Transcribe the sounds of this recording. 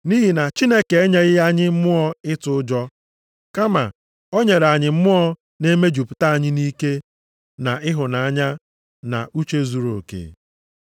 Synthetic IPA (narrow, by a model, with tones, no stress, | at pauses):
ni˦ɦi˨na˨t͡ʃi˦ne˦ke˨e˦ɲe˦ɣɪ˦ja˦ɲɪ˦m̩˦mʊ˦ɔ˦ɪ˦tʊ˨ʊ˦d͡ʒɔ˦ | ka˦ma̰˨ | o˦ɲe˨ɾa˨ɲɪ˨m̩˦mʊ˦ɔ˦ | ne˦me˦d͡ʒu˨pʊ̥˨ta˦a˨ɲɪ˦ni˦ke˦ | na˨ɪ˦ɦʊ˨na˨a˦ɲa˦ | na̰˨u˦t͡ʃe˦zu˨ɾo̰˨kḛ˨